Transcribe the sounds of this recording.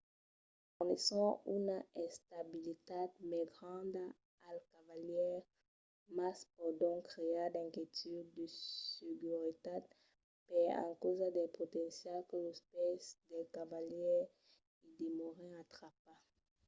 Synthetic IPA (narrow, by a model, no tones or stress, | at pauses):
fuʁnesɔ̃ynaɛ̃st̪abilit̪ad̪mɛɡʁɑ̃d̪a | alkavaljɛʁ | maspɔd̪ɔ̃kʁeadɛ̃kjet̪yd̪ːəsyɡyʁit̪ad̪̚ | pɛã̰kozad̪ɛpot̪ɛ̃sjalkələspɛsd̪ɛkavaljɛʁ | id̪emoʁɛ̃at̪ʁapa